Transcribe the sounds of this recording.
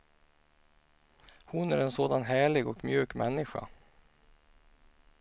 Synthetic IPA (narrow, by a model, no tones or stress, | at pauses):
hʊnæɾɛnsoːd̪anɦæːɭɪɡɔkmjʉ̟ːkmʔɛnːɪɧa̰